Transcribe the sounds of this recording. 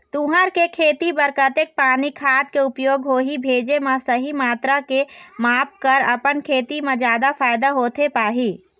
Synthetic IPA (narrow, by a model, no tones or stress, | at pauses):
t̪ũɦəɾkekʰet̪ibəɾkət̪ek̚panikʰat̪̚keupjoɡɦoɦibʱed͡ʒemesəɦimat̪ɾakemap̚kəɾə̰pənkʰet̪imẽd͡ʒad̪apʰajd̪aɦot̪ʰepaɦi